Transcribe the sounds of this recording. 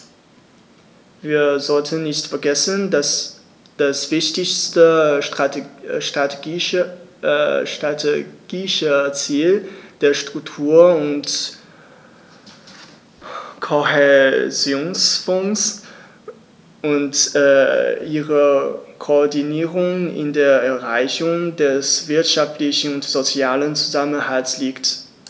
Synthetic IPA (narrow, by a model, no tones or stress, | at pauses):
viːɐzɔltʰənːɪçtfɛɐɡɛsəndas | d̥asv̥ɪçtɪçstəʁaʃtʁ̥ateɡi | ʃtʁatʰeɡ̥iʃət͡siːld̥eːɐʃtʁ̥ʊk̚tʰuːɐʊnt | kʰohɛzjoːnsfɔŋs | ʔʊntɛʔiːʁəkʰoːɐdiniːʁʊŋɪ̰ndeːɐɛɐʁaɪçʊŋdɛsv̥ɪɐtʃaftlɪçn̩ʊntz̥ot͡sjaːlənt͡suzamənhaltsliːkt